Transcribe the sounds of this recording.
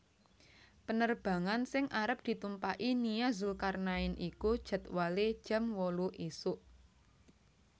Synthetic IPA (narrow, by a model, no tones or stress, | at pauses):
pənərb̥ä̤ŋansɪŋʔaɾəp̚d̪̥i̤t̪umpaʔinijazʊlkarnaɪnʔikud̥ʒ̥ə̤t̪̚waled̥ʒ̥a̤mwɔluʔesʊʔ